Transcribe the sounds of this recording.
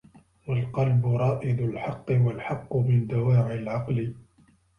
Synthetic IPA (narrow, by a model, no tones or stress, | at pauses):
walqɑlbʊɾˤɑːʔɪd̪ʊlħɑqːɨwalħɑqːmɪnd̪awaːʕɪlʕɑqlɪ